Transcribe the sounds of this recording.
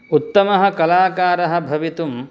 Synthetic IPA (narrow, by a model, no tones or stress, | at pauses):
ut̪ːɐmɐɦɐ̆kɐlaːkaːɾɐɦɐ̆bʱɐʋit̪um